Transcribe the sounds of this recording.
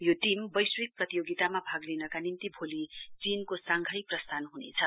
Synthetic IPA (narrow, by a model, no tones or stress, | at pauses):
joʈimbʌjswik̚prʌt̪ijoɡit̪amabʱaɡlenʌkanint̪ibʱolit͡sinkosaŋɡʱʌjprʌst̪ʰanɦunḛt͡sʰʌ